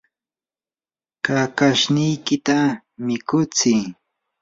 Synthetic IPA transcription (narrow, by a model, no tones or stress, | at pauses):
kakaʃnɪjkɪt̪a | mɪkʊt͡sɪː